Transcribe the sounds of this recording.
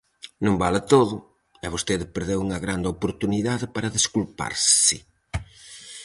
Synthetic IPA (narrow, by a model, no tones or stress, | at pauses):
nõmbalɪt̪oðʊ | ɛβost̪eðɪpeɾðewuŋɐɣɾand̪ɪopoɾt̪uniðaðɪpaɾɐðeskulpa̰ɾssɪ